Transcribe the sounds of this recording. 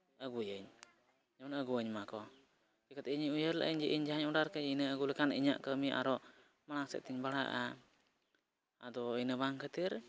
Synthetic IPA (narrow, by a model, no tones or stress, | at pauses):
əɡujəɲ | d͡ʒaanəɡuəɲmakɔ | kikət̪ɛiɲiujəɾla̰ʔəɲd͡ʒɛʔiɲd͡ʒaɦaɲɔɖaɾkəd͡ʒinəəɡulɛkaniɲa̰ʔkəmiʔa̰ɾɔʔ | maɽaŋsɛ̰ʔ̚t̪iɲbaɽa̰ʔa | ad̪ɔinəbaŋkʰət̪iɾ